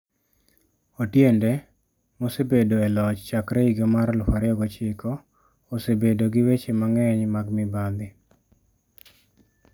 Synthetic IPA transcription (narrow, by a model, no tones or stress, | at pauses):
otjende | mosebedoelɔt͡ʃt͡ʃakɾeiɡemaɾlʊfaɾjɔɡot͡ʃɪko | osebedoɡɪwet͡ʃemaŋɛɲmaɡmɪbad̪ɪ